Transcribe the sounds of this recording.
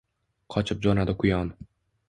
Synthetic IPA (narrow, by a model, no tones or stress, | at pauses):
qʰɒt͡ʃʰɪp̚d͡ʒɒnad̪ɪkʰʊjɒn